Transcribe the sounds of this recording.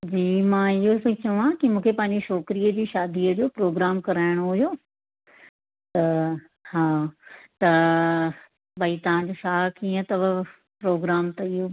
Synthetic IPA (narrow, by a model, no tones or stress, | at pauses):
d͡ʑiːmãːɪɦosɐt͡ɕɐʋãkimũːkʰepãːɪɲ̆d͡ʑeʃɔːkɾijəd͡ʑiːʃaːd̪ʱiəd͡ʑoːpɾoːɡɾaːmkɐɾaːɪɽ̃oɦujoː | t̪ɐ | haːt̪ɐ | bɐit̪ɐʋ̤ãɲd͡ʑoːʃaːɦkiːə̃t̪ɐʋɐ | pɾoːɡɾaːmt̪ɐɪɦo